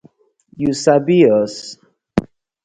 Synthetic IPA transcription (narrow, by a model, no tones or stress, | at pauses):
jusabiɔs